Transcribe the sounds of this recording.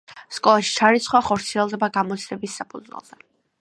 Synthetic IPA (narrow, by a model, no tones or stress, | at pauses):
skʼɔlˠaʃi̥t͡ʃʰaɾit̪sʰχwaχɔɾt̪sʰiɛlˠd̪ɛbaɡamɔt̪sʰlɛbisːapʰud̪zwɛ̰lˠzɛ